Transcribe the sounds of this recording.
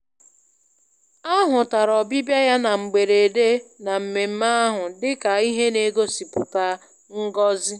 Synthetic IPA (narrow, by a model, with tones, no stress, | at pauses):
a˦ɦʊ˨ta˨ɾɔ˨bi˦bja˦ja˦na˨ŋ͡m̩˨ɡ͡be˨ɾe˨e˨de˦na˨m̩˨me˨m̩˦ma˦ɦʊ˨dɪ˦ka˨i˦ɦe˦ne˦ɡo˦si˨pʊ˨ta˦ | ŋ̩˦ɡɔ˦zɪ˦